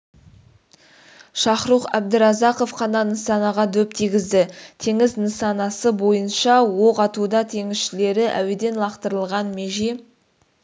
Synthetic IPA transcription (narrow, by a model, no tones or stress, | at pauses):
ʃɑχɾuqæb̚d̪ɪɾɑzɑqo̞fqʰɑnɑnəsɑnɑʁɑd̪ɵp̚t̪ʰiɡʲɪzd̪ɪt̪ʰe̞ŋɪznəsɑnɑsəbo̞jənʃɑwoqɑt̪ud̪ɑt̪ʰe̞ŋɪzʃɪle̞ɾɪʔæ̰wed̪e̞nlˠɑqt̪əɾəlˠʁɑnmeʒe